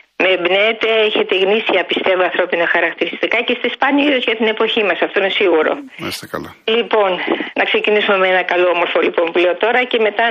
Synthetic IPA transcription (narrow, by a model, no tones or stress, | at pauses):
meːbneːt̪e̞eçe̞t̪eɣnisiɐpist̪e̞voɐnθɾo̞pinoxɐɾɐkt̪iɾist̪ikɐcest̪ɐspɐniisozʝɐt̪ine̞po̞çimɐsɐft̪o̞ine̞siɣuɾo̞̰ | ɐ̰ist̪ekɐ̰lo | lipo̞nnɐkse̞cinisume̞meenɐkɐlo̞omo̞ɾfo̞lipo̞mpule̞o̞t̪o̞ɾɐce̞me̞t̪ɐ